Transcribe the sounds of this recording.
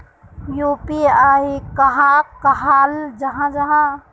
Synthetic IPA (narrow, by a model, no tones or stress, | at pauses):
juːpiaːikɐɦãkːɐɦaːld͡ʒɐɦãd͡ʒɐɦã